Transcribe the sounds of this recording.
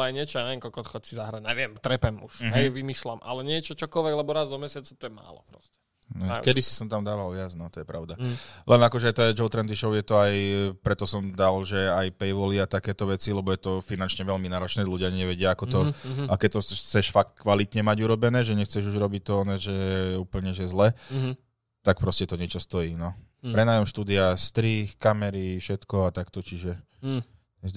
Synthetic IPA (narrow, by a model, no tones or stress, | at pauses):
ajɲɪɛt͡ʃɔaɲaʋɛmkɔlkɔt̪xɔcsizaɦɾaɲɛʋɪɛmt̪ɾɛpɛmuʃɦɛjʋimiʃlamʔa̰lɛɲɪɛt͡ʃɔt͡ʃɔkɔlʋɛɡlɛbɔɾazd̪ɔmɛsɪat͡sat̪ɔjɛma̰ːlɔ̰pɾɔ̰scɛ | nɔkɛd̪isi̥sɔmt̪amd̪aːʋalʋɪad͡znɔt̪ɔjɛpɾaʊd̪alʔɛnakɔʒɛt̪ɔɛd͡ʒɔʊt̪ɾɛnt̪iʃɔʊjɛt̪ɔajpɾɛt̪ɔsɔmd̪alʒɛajpɛjʋɔliat̪akɛːt̪ɔʋɛt͡silɛbɔjɛt̪ɔfinant͡ʃɲɛʋɛʎminaːɾɔt͡ʃnɛːluɟɪaɲɛʋɛɟɪaakɔt̪ɔakɛt̪ɔxt͡sɛʃfak̚t̪̚kʋalit̪ɲɛmaɟuɾɔbɛnɛːʒɛɲɛxt͡sɛʒuʒɾɔbic̚t̪ɔɔnɛʒɛɛɛuːpl̩ɲɛʒɛzlɛ | t̪ak̚pɾɔscɛt̪ɔɲɪɛt͡ʃɔst̪ɔjiːnɔpɾɛnaːjɔmʃt̪uːd̪iast̪ɾiːxkamɛɾifʃɛt̪kɔat̪akt̪ɔt͡ʃiʒɛ | ɛ